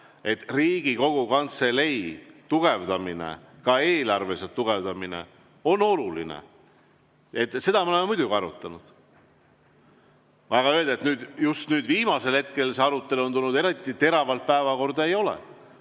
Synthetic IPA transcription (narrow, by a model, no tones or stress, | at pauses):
e̞t̪riːɡ̥iko̞ɡ̥ukɑnt̪se̞le̞jt̪uɡ̥e̞vd̪̥ɑminḛkɑeːlɑrve̞set̪ːuɡ̥e̞vd̪̥ɑmine̞̰ | o̞no̞lulḭnḛ | e̞t̪ːse̞d̪̥ɑmeolememujd̪ʲuɡiɑɾut̪ːˑɑnud̪̥ | ɑɡ̥ɑøːld̪̥et̪nyːd̪̥just̪nyːd̪viːmɑse̞lhe̞t̪ke̞lse̞ɑɾut̪ːˑe̞luont̪ulnud̪e̞ɾit̪ːˑit̪e̞ɾɑvɑlt̪̚pæevɑko̞rd̪̥ɑejo̞lḛ